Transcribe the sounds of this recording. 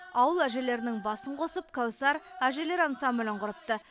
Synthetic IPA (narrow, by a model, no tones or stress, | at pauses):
ɑwəlˠæʒe̞le̞ɾɪnɪŋbɑsəɴqʰo̞səp̚kʲʰawsɑɾæʒe̞le̞ɾɑansɑmbʏlʲɪɴqʊɾəp̚t̪ə